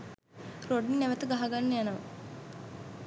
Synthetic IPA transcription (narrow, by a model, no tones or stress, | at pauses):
roɖinnæʋət̪əɡaɦaɡanːejanəʋə